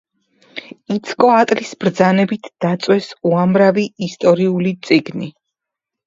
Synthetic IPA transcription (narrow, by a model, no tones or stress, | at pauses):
it̪sʰkʼɔat̪ʼlisb̥ɾd̪zanɛbit̪ʰd̪̥at̪sʼwɛsuamɾaviːst̪ʼɔɾiulit̪sʼiɡni